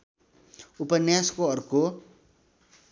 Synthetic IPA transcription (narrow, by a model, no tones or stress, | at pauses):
upʌnjaskoʌrko